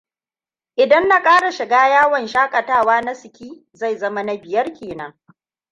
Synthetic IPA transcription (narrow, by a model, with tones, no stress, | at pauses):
ʔɪ˨dɐ˦nːa˨kʼaː˦ɽa˨ʃɪ˨ɡaː˦jaː˦wɔ˨nʃaː˦kʼɐ˨taː˦˨waː˦na˦sɪ˨kʲiː˦ | za˦˨jzɐ˦ma˦na˦bɪ˨jɐ˦rkʲeː˨nɐ˦ŋ